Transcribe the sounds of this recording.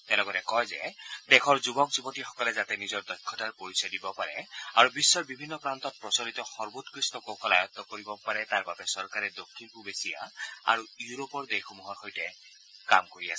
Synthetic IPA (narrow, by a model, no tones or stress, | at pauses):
tɛlɔɡɔtɛkɔjzɛ̰dɛkʰɔɹzubɔkzubɔtixɔ̥kɔlɛzatɛnizɔɹdɔjkʰːɔtaɹpoɹisadibɔpaɹɛ̰aɹubisːɔɹbibʱinːɔpɹantɔt̚pɹɔsɔɹit̪ɔxɔɹbotkɹistɔkokʰɔlajɔt̪ːɔkoɹibɔpaɹɛtaɹbabɛsɔɹkaɹɛdokʰːinpubesija̰a̰ɹujuɹopɔɹdexɔmuɦɔɹxojtɛ | ka̰mkoɹiasɛ